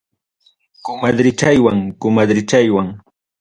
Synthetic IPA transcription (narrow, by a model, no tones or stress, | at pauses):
kʊmad̪ɾɪt͡ʃajwaŋkʊmad̪ɾɪt͡ʃajwaŋ